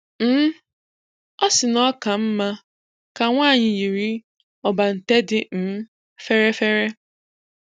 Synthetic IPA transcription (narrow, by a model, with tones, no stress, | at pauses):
m̩˦ | ɔ˦sɪ˨nɔ˦ka˨m̩˦ma˦ | ka˨ŋʷaː˦˨ɲɪ˨ji˨ɾi˦ | ɔ˨ba˨n̩˨te˦dɪ˨m̩˦ | fe˦ɾe˦fe˦ɾe˦